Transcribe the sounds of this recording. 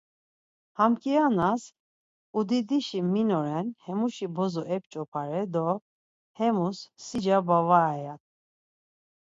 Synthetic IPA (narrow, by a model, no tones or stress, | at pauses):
hamkʼianas | ud̪id̪iʃiminɔɾɛnhɛmuʃibɔzɔʔɛp̚t͡ʃʼɔpʰaɾɛd̪ɔ | hɛmusːid͡ʒabavajat̪